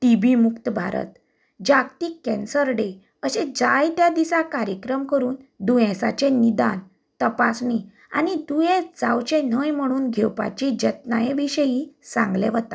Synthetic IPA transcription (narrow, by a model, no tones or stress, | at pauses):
ʈibʱimukt̪əbʱa̰ɾə̰t̪ | d͡ʑakt̪iːkɛ̃nsəɾɖe | əsẽd͡zajt̪jad̪isakaɾjəkɾəmkəɾuːnd̪ujɛ̃sat͡ɕẽnid̪an | t̪əpasɳi | a̰nid̪ujɛ̃d͡zawt͡ɕẽn̤əjm̤əɽ̃uːnɡʱɛwpa̰t͡ɕid͡ʑət̪̚najeʋiɕəjisã̰ŋɡlɛ̰ʋət̪a